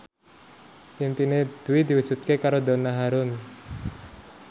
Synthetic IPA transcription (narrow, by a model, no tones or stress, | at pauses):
inp̪ined̪̥uwid̪̥i̤wu̥ʒ̥ṳt̪̚kekaɾod̪o̤naɦaɾʊn